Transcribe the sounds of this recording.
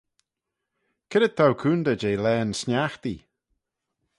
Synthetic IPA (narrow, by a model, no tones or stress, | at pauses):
kʰɪɾətt̪ʰːawkʰuːnd̪əd͡ʒejlɛːnsnʲjaxt̪i